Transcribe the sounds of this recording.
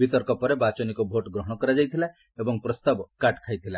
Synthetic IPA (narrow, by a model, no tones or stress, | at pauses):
bit̪ɔɾkɔpɔɾebat͡ʃɔnikɔbʱoʈɡɾɔɦɔɽ̃ɔkɔɾad͡ʒajt̪ʰila | ebɔŋpɾɔst̪abkaʈkʰajt̪ʰila